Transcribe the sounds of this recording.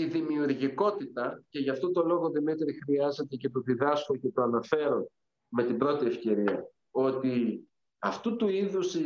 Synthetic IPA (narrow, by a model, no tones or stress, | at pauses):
iðimiuɾʝiko̞t̪it̪ɐce̞ʝɐft̪o̞t̪o̞lo̞ɣo̞ðimit̪ɾixɾiɐze̞t̪e̞ce̞t̪o̞ðiðɐsko̞ce̞t̪o̞ɐnɐfe̞ɾo̞n | me̞t̪ibɾo̞t̪ie̞fce̞ɾiɐ | o̞t̪i | ɐft̪ut̪uiðusi